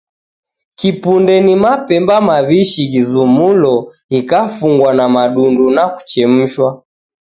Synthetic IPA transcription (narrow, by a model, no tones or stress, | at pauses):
kipundɛnimapɛmbamaβiʃiɣizumulɔ | ikafuŋɡwanamaɗundunaku̥t͡ʃɛm̩ʃwa